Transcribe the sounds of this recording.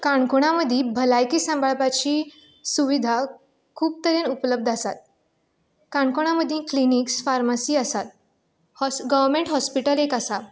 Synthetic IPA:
kaɳkuɽ̃aməd̪ʱĩbʱəlajkisãmbʱaɭpat͡ɕiː | suʋid̪ʱa | kʰuːp̚t̪əɾenupləb̚d̪ʱasa̰t̪̚ | kaɳkoɽ̃aməd̪ʱːjĩkliniksfaɾmasiːəsat̪̚ | ɡəʋəɾmeɳʈɦɔspiʈəlekasa

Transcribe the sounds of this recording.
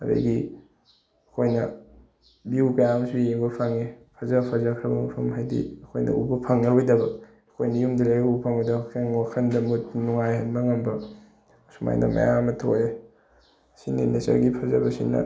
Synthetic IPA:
ɐdɐ̰ɡi | ɐkʰojnɐ | biukɐjamsujeŋbɐpʰaŋepʰɐzapʰazakʰɾabɐpʰɐmɦajdḭɐkʰojnɐ̰ubɐpʰaŋnɐɾojdɐbɐ | ɐkʰojnɐjumdiɾajɡubɐpʰaŋbɐdɐaŋwakʰɐndɐmut̚nuŋajhɐnbɐŋɐmbɐ | suma̰jnɐ̰mɐ̰jamɐtʰo̰je | sinḭnɐsɐ̰ɾɡipʰɐzɐbɐsinɐ̰

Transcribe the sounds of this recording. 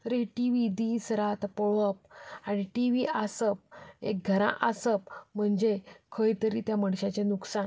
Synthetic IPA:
ɾeʈiʋid̪iːsɾat̪pɔɭəp̚aɽ̃iʈiʋiʔasəp̚ek̚ɡʱəɾã̰ʔasəp̚m̤əɳd͡zekʰəjt̪əɾit̪jaməɽɕat͡ɕenuksan

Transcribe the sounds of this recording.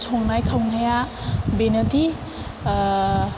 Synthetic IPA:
sʰoŋnajkʰawnajabenʌt̪i

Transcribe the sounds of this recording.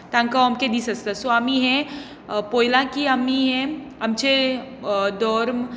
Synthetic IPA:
t̪ãːŋkaɔmked̪isɐst̪asoəmĩɦɛ̃ | poːjlãkiəmiɦɛ̃ɐmt͡ʃe | d̪ɔɾm

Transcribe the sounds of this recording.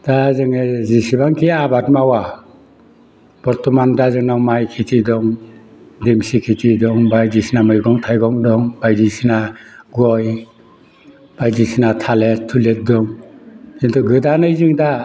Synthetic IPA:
d̥azɯŋezisibaŋkʰiabatmawa | b̥ɔɾtɔmandazɯŋnawmajkʰitʰidɔŋ | demsikʰitʰidɔŋbajdisinamɯjɡɔŋtʰajɡɔŋdɔŋbajdisinaɡɔj | b̥ajzisinatʰaletʰːulet̚dɔŋzintʰuɡɯdanɯjzɯŋda

